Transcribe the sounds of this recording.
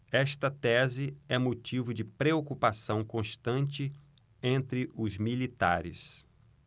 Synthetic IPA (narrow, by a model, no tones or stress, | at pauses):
ɛʃt̪ɐt̪ɛzɪɛmot͡ʃivʊd͡ʒɪpɾeokupasɐ̃w̃kõʃt̪ɐ̃nt͡ʃɪ | ẽnt̪ɾɪʔʊzmilit̪a̰ɾɪ̰s